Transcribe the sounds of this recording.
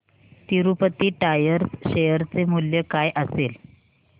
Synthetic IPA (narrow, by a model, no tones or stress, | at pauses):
t̪iɾupət̪iːʈajəɾsɕejəɾt͡semuljəkajʔəsel